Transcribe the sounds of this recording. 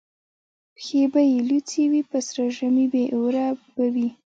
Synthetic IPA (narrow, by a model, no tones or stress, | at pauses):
pxebajelut͡siwipəsɾaʒamibeʔuɾabawi